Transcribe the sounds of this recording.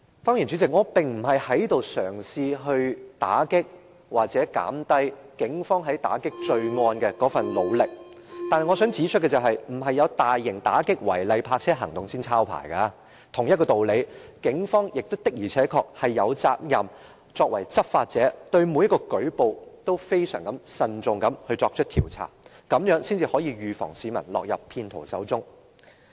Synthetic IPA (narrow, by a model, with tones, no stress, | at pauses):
fɔː˥ŋjiː˨˩nt͡ʃy˨˧˥t͡sɪ˨k̚ŋɔː˨˧pɪ˨ŋm̩˨˩ɦɐ˨jhɐ˨˥jt̪o˨wsœː˨˩ŋsiː˧ɦɵ˧ɥt̪a̰ː˨˥kɪ˥k̚ | waː˨˩k̚t͡sɛː˨˥ka̰ː˨˥mt̪ɐ˥jkɪ˨˥ŋfɔː˥ŋɦɐ˨˥jt̪a̰ː˨˥kɪ˥k̚t͡ʃɵ˧ɥŋɔː˧nkɛ˧kɔː˨˥fɐ˨nlo˨˧wlɪ˨k̚ | t̪aː˨nɐ˨jŋɔː˨˧œː˨˥ŋt͡siː˨˥t͡ʃʰɵ˥t̚kɛ˧t͡sɐ˨wɦɐ˨jm̩˨˩ɦɐ˨jːɐ˨˧wt̪aː˨jːɪ˨˩ŋt̪a̰ː˨˥kɪ˥k̚wɐ̰˨˩jlɐ˨˧jpʰaː˧k̚t͡sʰɛː˥ɦɐ˨˩ŋt̪ʊ˨ŋsiː˥nt͡sʰaː˥wpʰa̰ː˨˩jka˧ | t̪ʰʊ˨˩ŋjɐ˥t̚kɔː˧t̪o˨wle˨˧jkɪ˨˥ŋfɔː˥ŋjɪ˨k̚t̪o˥wt̪ɪ˥k̚jiː˨˩t͡sʰɛː˨˥kʰɔː˧k̚hɐ˨jːɐ˨˧wt͡saː˧k̚jɐ˨m | t͡sɔː˧k̚wɐ˨˩jt͡sɐ˥p̚faː˧t̚t͡sɛː˨˥t̪ɵ˧ɥmu˨˧jɐ˥kːɔː˧kɵ˨˥ɥpo˨wt̪o˥wfe˥jsœ̰ː˨˩ŋkɐ˨˦msɐ˧nt͡sʊ˨ŋkɐ˨˥mhɵ˧t͡sɔː˧k̚t͡ʃʰɵ˥t̪ʰiː˨˩wt͡sʰa̰ː˨˩ | kɐ˨˧mjœː˨˥ŋsiː˥nt͡siː˧hɔː˨˥jiː˧ɥyː˨fɔ̰ː˨˩ŋsiː˨˧mɐ̰˨˩nlɔ̰ː˨k̚jɐ˨pʰːiː˧nt̪ʰo˨˩wsɐ̰˨˥wt͡sʊ˥ŋ